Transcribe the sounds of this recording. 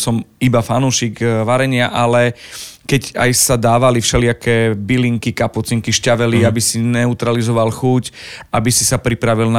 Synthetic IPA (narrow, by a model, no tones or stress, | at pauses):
sɔmibafanuʃiːɡʋaɾɛɲɪaʔalɛkɛca̰jsad̪aːʋalifʃɛlɪakɛːbiliŋkikaput͡siŋkiʃcaʋɛliabisinɛut̪ɾalizɔʋalxucʔabisisapɾipɾaʋilna